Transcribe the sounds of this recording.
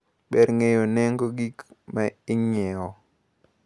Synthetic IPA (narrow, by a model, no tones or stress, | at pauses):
ɓɛɾŋejonɛŋɡoɡikmaɪɲɛɔ